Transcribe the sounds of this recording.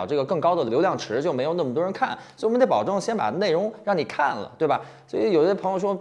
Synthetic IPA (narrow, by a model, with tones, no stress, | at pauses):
ʊʈ͡ʂɤ˥˩ɡə˩kɤ˥˩ŋkɑ˥ʊd̪ə˨ljo˧˥ljɑ˥˩ŋʈ͡ʂʰɻ̩˧˥t͡ɕjo˥˩ʊme˧˥jo˨˩n˥˩mə˩t̪wɔ˥ɻkʰa̰˥˩nswm˧˦˥t̪pɑ˨˩ʈ͡ʂɤ˥˩ŋə˩ɕjɛ˥npa̰˨˩d̪ə˦ne˥˩ɪɻʊ˧˥ŋɻɑ˥˩ŋni˨˩kʰa̰˥˩nlə̰˩t̪we˥˩bɐ˩ | swɔ˧˥i˧˥jo˨˩˥ɕpʰjo˧ʊʂwɔ˥